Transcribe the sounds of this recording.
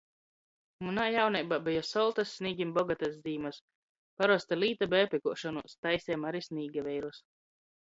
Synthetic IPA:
munajawnɛjbabɛjɔsɔlˠt̪asːʲniːɡʲimbɔɡat̪azd̪iːmas | paɾɔst̪aliːt̪abɛːpʲɛkuɔʃɔnuɔst̪ajsɛmaɾisʲniːɡavɛjɾus

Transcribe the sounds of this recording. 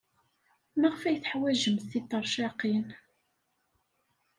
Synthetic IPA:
mæʁfæjθħwæʒəmθit̪ˤːɑɾˤʃɑqin

